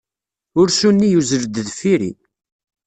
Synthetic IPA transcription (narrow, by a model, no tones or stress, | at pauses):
ʊɾʃunːijuzəɾd̪ðfiɾḭ